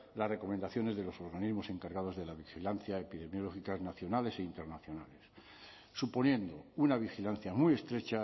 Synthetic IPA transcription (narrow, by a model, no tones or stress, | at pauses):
lasre̞ko̞mend̪aθjo̞ne̞zðe̞lo̞so̞ɾɣanizmo̞se̞ŋkaɾɣaðo̞zðe̞laβixilanθjaepiðe̞mjo̞lo̞xikaznaθjo̞nale̞se̞int̪e̞ɾnaθjo̞nale̞sː | upo̞njẽ̞nd̪o̞unaβ̞ixilanθjamuje̞st̪ɾe̞t͡ʃa